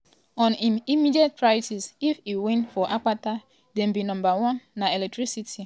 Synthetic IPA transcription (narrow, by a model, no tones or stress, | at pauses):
ɔ̃niimidiɛt̚pɹajtisifiwĩnfɔʔak͡pata | dɛ̃mbinɔ̃mbawɔ̃nːaɛlɛk̚tɹisitʰi